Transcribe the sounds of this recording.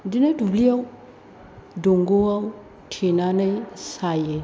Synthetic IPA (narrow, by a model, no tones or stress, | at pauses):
dinadublijau | doŋɡowaw | tʰinanajsaje